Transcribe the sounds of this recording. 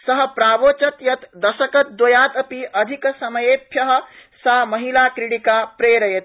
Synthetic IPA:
sɐɦpɾaːʋoːt͡ʃɐt̪jɐt̪d̪ɐsɐkɐt̪̚d̪ojaːt̪ɐpiʔɐd̪ʱiksɐməjepʰjɐɦə̆samɐɦilakɾiɽikapɾeːɾɐjet̪

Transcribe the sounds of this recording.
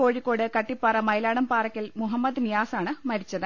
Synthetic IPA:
koːɻikːo̞ːɽɨkɐʈːipːaːrɐmɐjlaːɽɐmpaːrɐkʲːɐlmuɦɐmːɐd̪nijaːsaːɳɨmɐɾit͡ɕːɐðɨ

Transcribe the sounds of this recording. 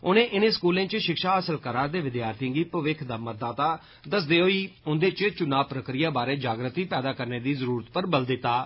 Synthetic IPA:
ʊnẽːʔɪneːskuːlẽːt͡ʃʃɪkʃaːəsəlkəɾaːɾd̪eːʋɪd̪jaːɾt̪ijə̃ŋɡiːpəʋɪkʰd̪aːmət̪̚d̪aːt̪aː | d̪əsd̪eːɦoːiːʊnd̪eːt͡ʃt͡ʃʊnaːpɾəkɾɪjaːbaːɾeːd͡ʒaːɡɾət̪iːpɛːd̪aːkəɾneːd̪iːzəɾuːɾət̪pəɾbəld̪ɪt̪ːaː

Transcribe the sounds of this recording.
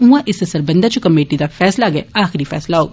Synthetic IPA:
ũãʔɪsɐsɐɾbɐ̃nd̪at͡ʃʰukɐmeːʈid̪afɛːslaɡɐeaːxɪɾifɛ̰ːslaɦoːɡ

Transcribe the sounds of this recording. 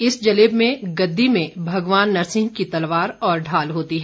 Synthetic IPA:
ɪsd͡ʒɐleːbmẽɡɐd̪ːimẽbʱɐɡʋaːnːɐɾsɪ̃ŋɡ̚kit̪ɐlʋaːɾɔːɾɖʱaːlɦoːt̪iɦɛ

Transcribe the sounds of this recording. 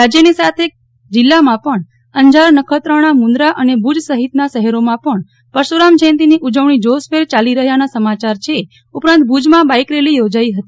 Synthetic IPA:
ɾad͡ʒjənisat̪ʰe | d͡ʒɪlːamãpəɳ | əɲd͡ʒaɾnəkʰət̪ɾəɳ̃amũnd̪ɾaʔənebʱud͡ʒsəɦit̪naʃəɦɛɾomãpəɳ | pəɾʃoɾamd͡ʒʰẽnt̪iniʔud͡ʒəʋɳid͡ʒospʰeɾt͡ʃaliɾəɦjanasəmat͡ʃaɾt͡ʃʰe | upɾãnt̪̚bʱud͡ʒmãbajkɾelijod͡ʒaiɦət̪i̥

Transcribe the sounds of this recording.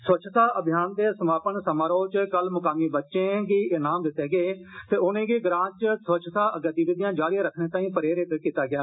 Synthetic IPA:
sʋət͡ʃʰt̪aːʔəbʱɪjaːnd̪eːsəmaːpəɳsəmaːɾəoːt͡ʃkəlmʊkaːmiːbətːʃẽːɡiːʔɪnaːmd̪ɪt̪ːeːɡeːt̪eːʊnẽːɡiːɡɾãːt͡ʃsʋət͡ʃʰt̪aːʔəɡət̪iːʋɪd̪ɪjãːd͡ʒaːɽiaːɾəkʰneːt̪aːĩːpəɾeːɾɪt̪ekiːt̪aːɡɪaː

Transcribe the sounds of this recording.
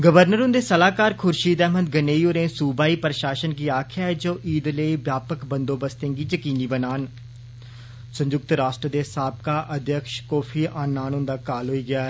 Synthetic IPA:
ɡəʋəɾnəɾʊ̃nd̪eːsəlaːkaːɾkʰʊɾʃiːd̪ɛːmə̃nd̪̚ɡəneːioːɾẽːsuːbaːiːpəɾəʃaːʃənɡiːaːkʰɪjaːɦɛːd͡ʒoːʔiːd̪ləiːbjaːpəkbə̃nd̪õːbəst̪ẽːɡiːd͡ʒəkiːniːbənaːn | sə̃ɲd͡ʒʊk̚t̪ɾaːsʈɾəd̪eːsaːb̚kaːʔəd̪jəkʃkɔːfʰiːʔãːnːaːnʊnd̪aːkaːlɦoːiːɡɪjaːɦɛ

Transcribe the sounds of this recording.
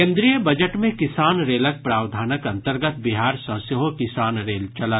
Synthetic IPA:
kẽːnd̪ɾijəbɐd͡ʒəʈmẽkɪsaːnɾeːlək̚pɾaːwd̪ʱaːnəkɐ̃nt̪əɾɡət̪bɪɦaːɾsɐ̃sjoɦokɪsaːnɾeːlt͡ʃɐla

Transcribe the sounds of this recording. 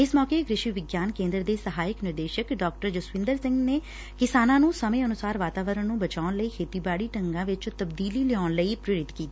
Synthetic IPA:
ɪsmɔːkeːɡɾɪʃiʋɪɡjaːnkẽːnd̪ɾd̪eːsəɦaːɪknɪɾd̪eːʃəkɖɔːk̚ʈəɾd͡ʒʊsʋɪ̃nd̪əɾsɪ̃ŋɡneː | kɪsaːnãːnũːsəmẽːənʊsaːɾʋaːt̪aːʋəɾəɳnũːbət͡ʃaːʊnləiːkʰeːt̪iːbaːɽiːʈəŋɡãːʋɪt͡ʃt̪əbd̪iːliːlɛɔːnləiːpɾɪɾɪt̪kiːt̪iː

